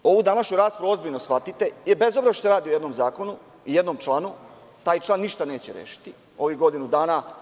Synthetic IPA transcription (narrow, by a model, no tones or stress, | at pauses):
o̞ʋud̪anaʃɲuɾaːspoɾuo̞zbiʎnosxʋat̪it̪ejebezobzaʃsoɾaːd̪iojed̪no̞mzaːko̞nu | ijed̪no̞mt͡ʃlaːnu | t̪aːjt͡ʃlˠaːnːiʃt̪ane̞ːt͡ɕeɾjḛʃi̥t̪i | o̞ʋiɡo̞d̪inud̪aːna